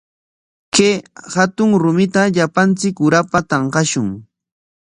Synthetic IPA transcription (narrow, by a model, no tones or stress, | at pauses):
kehat̪ʊŋɾʊmɪt̪aʎapant͡sɪkʊɾapat̪ɑɴqɑʃʊŋ